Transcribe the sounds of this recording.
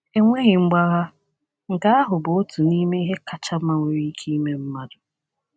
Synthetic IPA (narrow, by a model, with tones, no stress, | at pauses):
e˦ŋʷe˦ɣɪ˨ŋ͡m̩˦ɡ͡ba˦ɣa˦ | ŋ̩˨ka˦a˦ɦʊ˨bʊ˨o˦tu˨ni˦me˦i˦ɦe˦ka˨t͡ʃa˦ma˦ŋʷe˨ɾi˦kʰi˦i˦me˦m̩˦ma˦dʊ˨